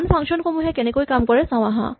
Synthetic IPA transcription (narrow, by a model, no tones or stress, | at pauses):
npʰãŋkʃɔnkʰomũɦɛ̃kenekoikamkɔɾɛsãw̃aɦã̰